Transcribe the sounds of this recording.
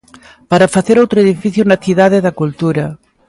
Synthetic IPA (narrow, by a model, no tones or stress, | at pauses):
paɾafaθeɾowt̪ɾoeðifiθjʊnɐθiðaðeðɐkult̪uɾɐ